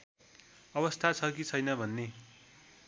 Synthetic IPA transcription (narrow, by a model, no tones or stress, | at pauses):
ʌbʌst̪ʰat͡sʰʌkit͡sʰʌjnʌbʱʌnːe